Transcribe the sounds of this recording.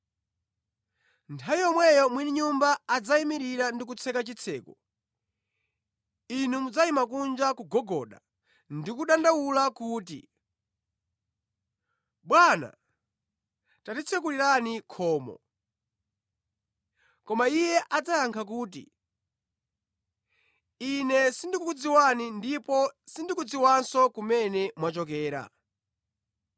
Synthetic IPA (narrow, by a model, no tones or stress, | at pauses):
ntʰawijɔmwɛjɔmwiniɲumbaːd͡zaimiɾiɾandik̬ut͡sʰɛkat͡ʃit͡sʰɛːku | inumud͡zaimakund͡ʒakuɡɔɡɔɗa̰ | ndikuɗandawulakuːtḭ | ɓwana̰ | tatit͡sʰɛkuliɾanikʰɔːmɔ̰ | kɔmaijɛʔad͡zajaŋkʰak̬uːt̬ḭ | inɛsindikukud͡ziwanindipɔsindikud͡ziwansɔkumɛnɛmwat͡ʃɔk̬ɛːɾa̰